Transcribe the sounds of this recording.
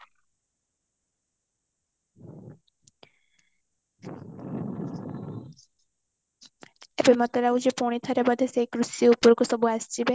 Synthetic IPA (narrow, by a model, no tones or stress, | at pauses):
ebemɔt̪eɾawd͡ʑepoɽ̃it̪ʰɔɾebɔd̪ʱesejkɾusiupoɾkosɔbuast͡ʃʰibe